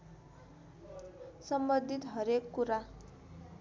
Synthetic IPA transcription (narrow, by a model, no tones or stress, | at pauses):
sʌmbʌnd̪ʱit̪ɦʌɾekːuɾa